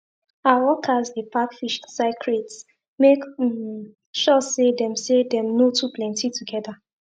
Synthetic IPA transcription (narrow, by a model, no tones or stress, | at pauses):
awɔkʰazdepʰakfiʃtsaɪkʰɹets | mek | ʃɔsedɛ̃msedɛ̃mnotʰupʰlɛ̃ntituɡɛda